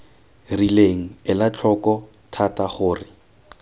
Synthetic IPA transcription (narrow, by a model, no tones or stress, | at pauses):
rileŋ̩ɪlat͡ɬʰɔkɔ | tʰataχʊːrɪ